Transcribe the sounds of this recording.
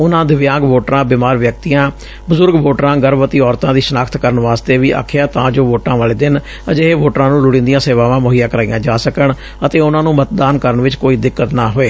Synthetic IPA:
ʊnãːd̪ɪʋɪjãːɡʋoːʈɾãːbɪmaːɾʋjək̚t̪ijãː | bʊzʊɾɡʋoːʈɾãːɡəɾʋət̪iːɔːɾt̪ãːd̪iːsənaːkʰt̪kəɾənʋaːst̪eːʋiːʔa̰ːkʰjaːt̪ã̰ːd͡ʒoːʋoːʈãːʋaːleːd̪ɪn | əd͡ʒeɦeːʋoːʈɾãːnũːlʊɽɪ̃nd̪ijãːseːʋaːʋãːmoɦijãːkəɾaːḭjãːd͡ʒaːsəkəɳ | ət̪eːʊnãːnũːmət̪̚d̪aːnkəɾəɳʋɪt͡ʃkoːiːd̪ɪkːət̪naːɦoːeː

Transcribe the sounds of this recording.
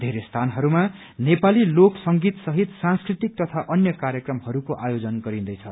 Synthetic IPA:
d̪ʱeɾest̪ʰanɦʌɾuma | nepaliloksʌŋɡit̪sʌɦit̪sãnskrit̪ik̚t̪ʌt̪ʰaʔʌnjʌkaɾjʌkrʌmhʌɾukoʔajod͡zʌnɡʌɾĩnd̪ʌjt͡sʰʌ

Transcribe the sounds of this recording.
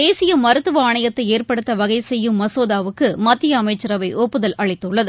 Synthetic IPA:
eːsɪjɐmɐɾɯt̪ːɯʋɐaːɳɐjɐt̪ːɐɪeːrpɐɽɯt̪ːɐʋɐɣɐɪsɛjːɯmːɐsoːðaːʋɯkːɯmɐt̪ːɪjɐːmɐɪt͡ʃːɪɾɐʋɐɪʔɔpːɯðɐlʔɐɭɪt̪ːɯɭːɐðɯ

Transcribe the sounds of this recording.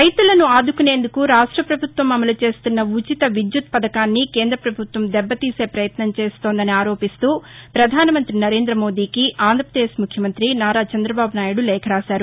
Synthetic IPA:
ɾɐjt̪ulɐnuaːd̪ʱukune̞ːnd̪ukuɾaːʂʈɾɐpɾɐbʱut̪ʋɐmɐmɐlut͡ʃe̞ːst̪unːɐut͡ʃit̪ɐʋid̪jut̪̚pɐd̪ɐkaːnːikeːnd̪ɾɐpɾɐbʱut̪ʋɐmd̪ɛbːɐt̪iːse̞ːpɾɐjɐt̪nɐmt͡ʃe̞ːst̪o̞ːnd̪ɐniaːɾo̞ːpist̪uːpɾɐd̪ʱaːnɐmɐnt̪ɾinɐɾe̞ːnd̪ɾɐmo̞ːd̪iːkiʔaːnd̪ʱɐpɾɐd̪eːʃmukʰjɐmɐnt̪ɾinaːɾaːt͡ʃɐnd̪ɾɐbaːbunaːjuɽulɛːkʰɐɾaːʃaːɾu

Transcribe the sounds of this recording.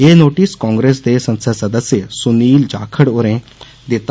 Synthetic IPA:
eːnoːʈiskɔ̃ːŋɡɾeːs̬d̪eːsə̃nsəsɐd̪əsjəsuniːld͡ʒa̰ːkʰəɽoɾẽ | d̪ɪt̪

